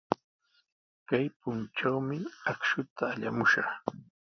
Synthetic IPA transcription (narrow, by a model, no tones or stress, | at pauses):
kajpʊnʈ͡ʂawmɪakʃʊt̪aːʎa̰mʊʃɑχ